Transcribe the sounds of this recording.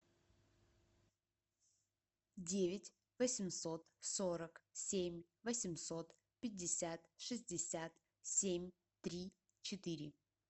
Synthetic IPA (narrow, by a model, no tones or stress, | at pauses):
dʲevʲɪtʲ | vəsʲɪmso̞t̪so̞ɾəksʲemʲ | vəsʲɪmso̞t̪ | pʲɪdʲːɪsʲat̪ʂɨzʲdʲɪsʲat̪ | sʲemʲ | t̪ɾʲi | t͡ɕɪt̪ɨɾʲɪ